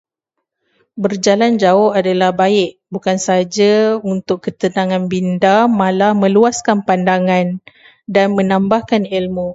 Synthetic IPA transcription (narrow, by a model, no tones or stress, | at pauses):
bərd͡ʒaland͡ʒaʊhadalahbaɪʔ | bukansaad͡ʒaunt̪ʊkːət̪ənãŋãnbindamãlahmə̃luaskanpandaŋãn | danmə̃nãmbahkanilmũ